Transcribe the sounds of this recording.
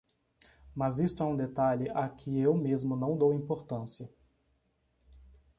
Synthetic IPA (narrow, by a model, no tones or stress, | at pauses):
mazist̪ʊɛũd̪et̪aʎɪʔakʰɪewmezmʊnɐ̃w̃d̪owĩmpoɾt̪ɐ̃siɐ